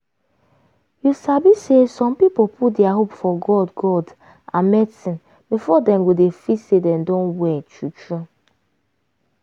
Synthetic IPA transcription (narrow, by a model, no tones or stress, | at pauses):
jusabisesɔ̃mpipopʰut̚dɛaɦopfɔɡɔdɡɔd | ʔã̰nmɛsĩn | bifɔdɛ̃mwudefisedɛ̃mdɔ̃nwɛtut͡ʃɹu